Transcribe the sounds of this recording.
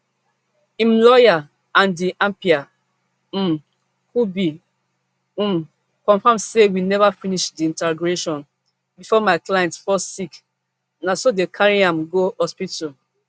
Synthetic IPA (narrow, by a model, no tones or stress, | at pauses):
ĩmlɔja | ãndiʔãmpia | m | hubi | m | kɔ̃ɱfãmsewinɛvafiniʃdiĩntaɡɹeʃɔ̃n | bifɔmaɪklajɛ̃ntfɔsik | nãsodekʰaɹiãmɡohɔspito